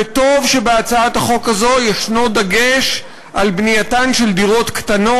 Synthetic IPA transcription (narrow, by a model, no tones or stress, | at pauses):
eto̞vʃe̞beat͡saathaχo̞kazo̞jeʃnod̪aɡe̞ʃ | ʔalbnijatanʃe̞ld̪iʁo̞tkt̪ano̞